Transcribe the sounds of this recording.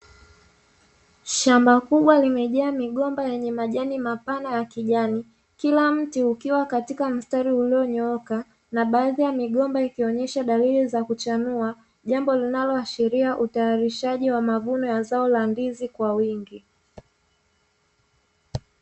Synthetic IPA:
ʃambakuɓwalimɛʄaːmiɠɔmbajɛɲɛmaʄanimapanajakiʄani | kilam̩tiukiwakatikam̩staɾiuliɔɲɔka | naɓaːðijamiɠɔmbaikiɔɲɛʃaɗalilizakut͡ʃanua | ʄambɔlinalɔaʃiɾiaʔutajaɾiʃaʄiwamavunɔjazaɔlandizikwawiŋɡi

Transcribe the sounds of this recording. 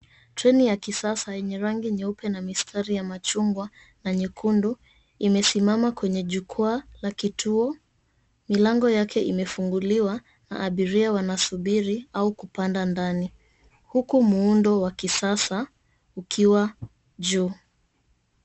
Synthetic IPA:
tɾɛnijakisasajɛɲɛɾaŋɡiɲɛupɛnamistʰaɾijamat͡ʃuŋɡwa | naɲɛkʰundu | imɛsimamakwɛɲɛʄukʰualakitʰuɔ | milaŋɡɔjakʰɛʔimɛfuŋɡuliwa | na̰ʔːɓiɾiawanasuɓiɾiaukupandandani | hukumuundɔwakisasa | ukʰiwa | ʄuː

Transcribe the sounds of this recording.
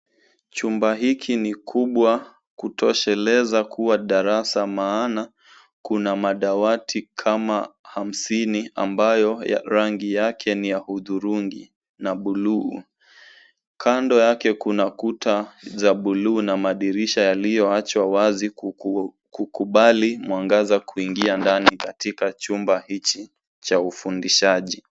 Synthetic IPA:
t͡ʃumbaɦikʰinikʰuɓwa | kutʰɔʃɛlɛzakʰuwaɗaɾasamaːna | kunamaɗawatʰikʰamaham̩sinia̰mbajɔ̰ɾaŋɡijakʰɛnijahuðuɾuŋɡḭ | naɓuluː | kʰandɔjakɛkunakutazaɓuluːnamaɗiɾiʃajalijɔat͡ʃwawazi | kukuɓalimwaŋɡazakuiŋɡiandanikatikat͡ʃumbahit͡ʃi | t͡ʃaufundiʃaʄi

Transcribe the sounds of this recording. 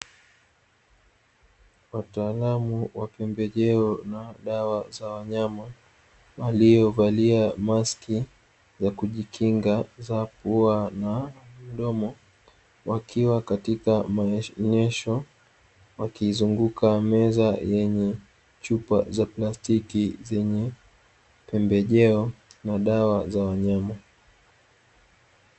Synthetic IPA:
wataːlamuwapɛmbɛʄɛɔnaɗawazawaɲama | walijɔvaliamaski | zakuʄikʰiŋɡazapuanam̩ɗɔmɔ | wakʰiwakatikamaɲɛʃɔ | wakizuŋɡukamɛzajɛɲɛ | t͡ʃupa̰zaplastikizɛɲɛ | pɛmbɛʄɛɔnaɗawazawaɲama

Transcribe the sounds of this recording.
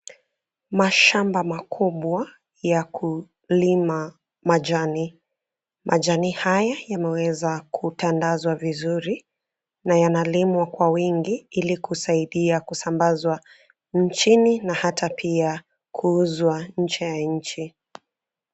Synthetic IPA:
maʃambamakʰuɓwa | jakʰu | lima | maʄani | mʔaʄanihajajamɛwɛzakʰutandazwavizuɾi | najanalimwakwawiŋɡiilikusaiɗiakusambazwa | n̩t͡ʃininahatʰapʰia | kʰuuzwaɲ̩t͡ʃɛjaɲ̩t͡ʃi

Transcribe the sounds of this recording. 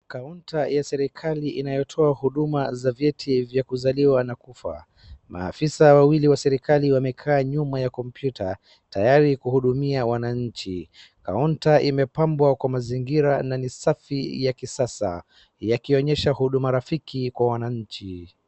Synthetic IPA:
kauntajasɛɾikʰaliʔinajɔtʰɔahuɗumazavjɛtʰivjakuzaliwanakufa̰ | ma̰ːfisawawiliwasɛɾikaliwamɛkʰaːɲumajakɔmpjuta | tajaɾikuhuɗumiawanaɲ̩t͡ʃi | ka̰untaʔimɛpambwakwamaziŋɡiɾananisafijakisasa̰ | jakiɔɲɛʃahuɗumaɾafikikwawanaɲ̩t͡ʃi

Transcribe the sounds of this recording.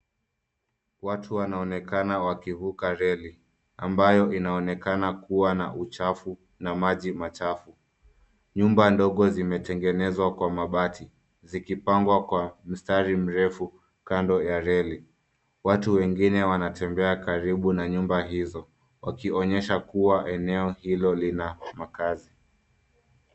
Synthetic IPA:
watʰuwanaɔnɛkanawakivukaɾɛli | ambajɔʔinaɔnɛkanakuwana̰ʔut͡ʃafu | namaʄimat͡ʃafu | ɲumbandɔɠɔzimɛtɛŋɡɛnɛzwakwamaɓatʰi | zikipaŋɡwakwam̩staɾim̩ɾɛfu | kandɔjaɾɛli | watuwɛŋɡinɛwanatɛmbɛakaɾiɓunaɲumbaɦizɔ | wakiɔɲɛʃakuwaʔɛnɛɔhilɔlinamakazi

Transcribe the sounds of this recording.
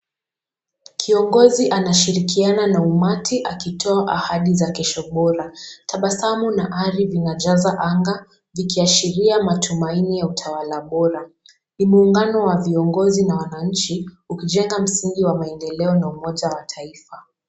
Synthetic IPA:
kʰiɔŋɡɔziʔanaʃiɾikiananaumatʰiʔakitʰɔaʔahaɗizakɛʃɔɓɔɾatʰaɓasamunaʔaɾivinaʄazaʔaŋɡa | vikiaʃiɾiamatʰumainijautʰawalaɓɔɾa | nimuːŋɡanɔwaviɔŋɡɔzinawanaɲ̩t͡ʃi | ukiʄɛŋɡam̩siŋɡiwamaɛndɛlɛɔnaumɔʄawatʰaifa

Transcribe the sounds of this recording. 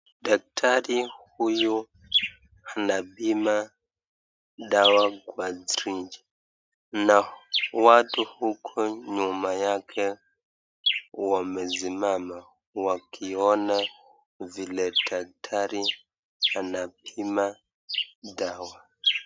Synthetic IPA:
dak̚tʰaɾihuju | anapima | ɗawaɡwad͡zɾid͡ʒi | nawatuhukʰɔɲumajakʰɛ | wamɛzimama | wakʰiɔna | vilɛdak̚tʰaɾi | anap̚ima | daːwa

